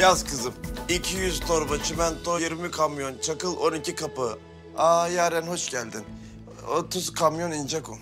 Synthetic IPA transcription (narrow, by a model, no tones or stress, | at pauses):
jazkɯzɯmicʰijyzt̪ʰo̞ɾbat͡ʃʰimænt̪ʰojiɾmikʰamjo̞nt͡ʃʰakɯlˠo̞nicʰikapɯ | aːjaɾɛnho̞ʃɟælʲd̪in | ot̪ʰuzkʰamjo̞nind͡ʒakum